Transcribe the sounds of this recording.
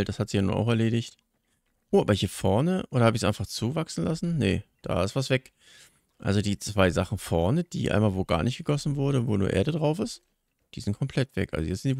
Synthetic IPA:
ltd̥ashatz̥iːjanṵːnʔa̰ʊxɛɐleːɾɪçt | ʔoːʔaːbɐçiːɐfɔɐnəʔoːdɐhaːbəɪçsʔaɪnfaχt͡suːvaksn̩lasn̩nəd̥a̰ːɪstv̥asv̥ɛk | ʔa̰lzodiːt͡sv̥aɪzaχn̩fɔɐnəd̥ḭːʔa̰ɪnmaːlvoːɡa̰ːɐnɪçt̚ɡ̥əɡɔsn̩vʊɐɾəvoːnuːɐʔḛːɐɾədʁaʊfɪst | d̥iːzɪnt̚kʰɔmpʰl̥ɛtv̥ɛ̰kʔa̰lzojɛt͡sz̥ɪnd̥i

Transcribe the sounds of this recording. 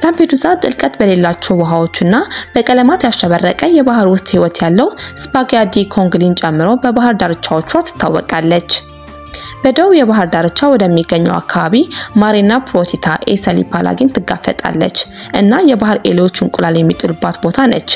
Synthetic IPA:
lampʰed̪usat̪ʼɨlkʼət̪bəle̞lːat͡ʃːɛwwɔɦawo̞t͡ʃːɨnːab̥əkʼələmat̪jasʃəβərːəkʼəjɛβaɦɨɾwʊst̪ʼhiwɔt̪jalːəwspaɡad̪ikʰo̞ŋɡlint͡ʃʼɛmːɨɾo̞bəbahɨɾd̪aɾɨt͡ʃːawot͡ʃːuat̪ːɨ̥t̪ʰːawːɔ̰kʼalːət͡ʃː | b̥əd̪əwjɛβaɦɨɾd̪aɾɨt͡ʃːawɔd̪əmːiɡːəɲːɛ̰wa̰kʰːaβaβimaɾinːapʰɾot̪ʰit̪ʰaʔḛsəlḭpʰalʔa̰ɡint̪ʰɨɡːafːə̰t̪ʼa̰lːə̰t͡ʃːʔɨnːajɛbahɨɾḛlwo̞t͡ʃːɨŋkʼʊlaljɛmːit̪ʼɨlubːat̪bo̞t̪ʰanə̰t͡ʃː

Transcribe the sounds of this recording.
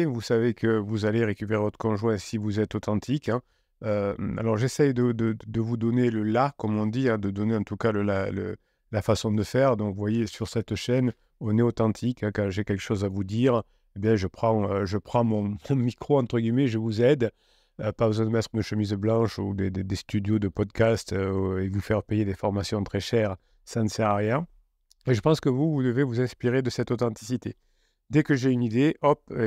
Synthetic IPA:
vusavekʰəvuzaleʁekʲypeʁevɔt̪χə̥kɔ̃ʒwɛ̃sivuzɛt̪ot̪ɑ̃t̪ʰikɛ̃ | øa̰lɔʁʒɛsɛjd̪əd̪əd̪əvud̪ɔneləlakɔmɔ̃d̪iɛ̃d̪əd̪ɔneɑ̃t̪ukaləlalə̰ | lafasɔ̃d̪əfɛʁd̪ɔ̃kvwajesyʁsɛt̪ʃɛn | ɔ̃nɛot̪ɑ̃t̪ʰikɛ̃kɑ̃ʒekʲɛlkə̥ʃozavud̪iʁ | ebjɛ̃ʒəpχɑ̃øʒəpχɑ̃mɔ̃mɔ̃mikχoɑ̃t̪χəɡʲimeʒəvuzɛd̪ | əpabəzwɛ̃d̪əmɛt̪χnəʃəmizblɑ̃ʃud̪ed̪ed̪est̪yd̪jod̪əpɔd̪kast̪evufɛʁpejed̪efɔʁmasjɔ̃t̪χɛʃɛʁ | sãnəsɛʁʁjɛ̃ | eʒəpɑ̃skəvuvud̪əvevuzɛ̃spiʁed̪əsɛt̪ot̪ɑ̃t̪i̥sit̪e | d̪ɛkəʒeynid̪eʔɔp

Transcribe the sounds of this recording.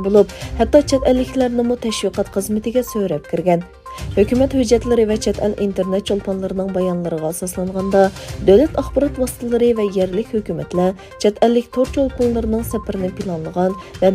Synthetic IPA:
bolˠuphɛt̪ːɑt͡ʃʰɛt̪ɛlːɪkʲlæɾnɪmut̪ʰɛʃwiqʰɑt̪χəzmɪt̪ɪɡʲɛsøɾɛp̚kʲɪɾɡʲɛn | høkʲymɛt̪hød͡ʒːɛt̪lɪɾɪvɛt͡ʃʰɛt̪ʰɛlʔint̪eɾnet̪̚t͡ʃʰolˠpʰonlˠɨɾɨnɨŋbɑjɑnlˠɨɾəʁɑsɑslˠɑɴʁɑnd̪ɑd̪øwlɛt̪ʰɑχbɑɾɑt̪wɑsɨ̥t̪ʰɨlˠɨɾɨvɛjɛɾlɪkʲhøkʲymɛt̪lɛ | t͡ʃʰɛt̪ɛlːɪkʲt̪ʰoɾt͡ʃʰolˠponlˠɨɾɨnɨŋsɛpɪɾɪnɪpʰilˠɑnlˠəʁɑnvɛ

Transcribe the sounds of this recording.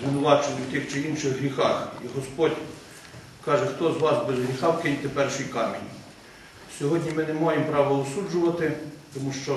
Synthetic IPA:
zʋɪnʊʋɑt͡ʃenʲɪwt̪ɪxt͡ʃɪinʃɪɣɦɾʲixɑxiɦɔspɔdʲ | kɑʒɛxt̪ɔzʋɑsbezɦɾʲixɑwkɪnʲt̪epɛrʃijkɑrmʲnʲḭ | sʲɔɦɔdʲnʲimɪnemajempɾɑʋɔlˠɔsud͡ʒʊʋɐt̪ɪt̪ɔmuʃt͡ʃɔ

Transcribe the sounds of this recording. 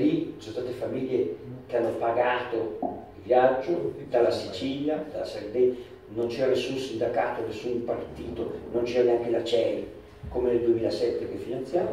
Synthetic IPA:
lisonst̪aːt̪efamiʎːekeanːopaɡaːt̪oilvjad͡ʒːod̪alːasit͡ʃiʎjad̪alasaɾd̪ɛ | nont͡ʃɛɾanesːunsind̪akaːt̪onesːunpart̪iːt̪onont͡ʃɛɾaneaŋkelat͡ʃɛːl | komeneld̪uemiːlasɛt̪ːekefinant̪sja

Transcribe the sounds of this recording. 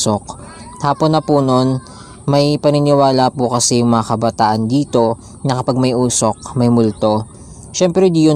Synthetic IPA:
ok̪ | haːponːɐpuno̞n | mɐjpɐnɪnɪwaːlɐpʊkɐsɛjʊŋmɐŋɐkɐbɐt̪aːʔɐnd̪iːt̪o̞ | nɐkɐpaɡ̚mɐjʔuːso̞k̚mɐjmʊlt̪o̞ | ʃɛmpɾɛd̪iːjʊ

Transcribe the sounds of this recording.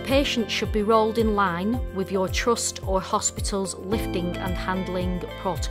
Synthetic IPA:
pʰeɪʃə̃ntʃəd̚biɹoʊlˠdɪ̃nlãɪ̃nwɪðjə˞tʰɹ̥ʊstə˞hɒspɪtʰəl̩ˠzlɪftɪ̃ŋə̰̃nhãndˡl̩ˠɪ̃ŋpʰɹ̥ɔt

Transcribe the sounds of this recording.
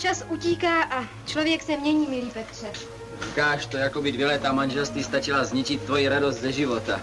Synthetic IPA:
t͡ʃasʔuciːkaːʔa | t͡ʃlovjɛksɛmɲɛɲiːmɪliːpɛt̪r̝̥ɛ | kaːʃt̪ojako̞bɪdvjɛlɛt̪aːmanʒɛlst̪viːst̪at͡ʃɪlazɲɛt͡ʃɪt̪ːvojiɾadosdt̪zɛʒɪvo̞t̪a

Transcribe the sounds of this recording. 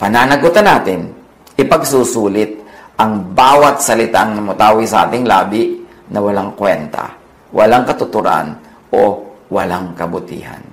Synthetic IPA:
pɐnaːnɐɡʊt̪ɐnaːt̪ɪn | ʔɪpɐɡsuːsuːlɪt̪̚ʔɐŋbaːwɐt̪̚sɐlɪt̪aʔɐŋnɐmʊt̪aːwɪsɐʔa̰ːt̪ɪŋlaːbɪʔ | nʔɐwɐlaŋkwɛnt̪a̰ | wʔɐlaŋkɐt̪ʊt̪ʊɾa̰n | ʔowɐlaŋkɐbʊt̪ḭːha̰n

